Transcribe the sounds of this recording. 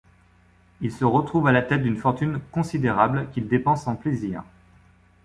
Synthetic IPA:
ilsəʁət̪χuvalat̪ɛt̪̚d̪ynfɔʁt̪ynkɔ̃sid̪eʁablkʲild̪epɑ̃sɑ̃pleziːʁ

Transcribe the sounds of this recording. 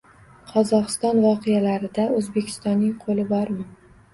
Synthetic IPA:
qʰɒzɒqɨ̥st̪ɒnvɒqʰejalaɾɪd̪aɵzbekʲʰɪ̥st̪ɒnːɪŋqʰolɪbɒɾmɪ

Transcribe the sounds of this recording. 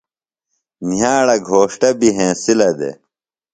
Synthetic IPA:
nijaːɽɐɡʱoːʂʈɐbiɦẽːsilɐd̪ḛ

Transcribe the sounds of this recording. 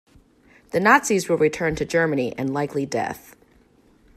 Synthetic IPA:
ðɨnɑtsizwəlˠɹitʰɜ̃˞ntʰɨd͡ʒɜ˞mɨniʔɨ̰̃nlaɪklidɛ̰θ

